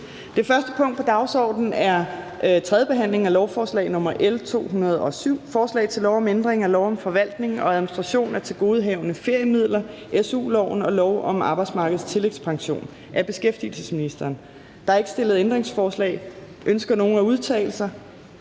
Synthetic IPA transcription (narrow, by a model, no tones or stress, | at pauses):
d̥e̝fɶɐsd̥əpʰɔ̽ŋ̰d̥pʰɒ̽d̥ɑ̈ʊsɒ̰ːd̥n̩æɐ | ʔt͡sʰʁɛðˠəb̥e̝ɦæn̰le̝ŋ̩ælɒʊfɒːslɛ̰ɪnɔ̽mɐʔelt͡sʰo̝̰ːɦunɐð̞ˠɒ̽syʊ̰fɒːslɛ̰ɪt͡sʰe̝lɒʊɒ̽mend̥ʁeŋælɒʊɒ̽mfɒ̽ʋæl̰d̥ne̝ŋɒ̽æðˠminisd̥ʁɑ̈ɕo̝̰ːnæɐt͡sʰe̝lɡ̥o̝ːð̞̩ˠɦɛːʊnəfe̝ɐ̰jəmið̞̰ˠlɐʔesṵːlɒʊ̰nɒ̽lɒʊʔɒ̽mɑ̈ːb̥ɑ̈ɪ̥smɑ̈ːɡ̥əð̩ˠst͡sʰe̝le̝ɡ̥spʰɑ̈ŋɕo̝̰ːn | ʔæɐb̥e̝sɡ̥efd̥iəl̩səsminisd̥ɐːn | d̥ɑ̈e̝ɡ̥əsd̥e̝lð̞̩ˠend̥ʁeŋsfɒːslɛ̰ːɪ | ʔønsɡ̥ɐno̝ːnæuð̞ˠt͡sʰɛ̰ːɪl̩sɐ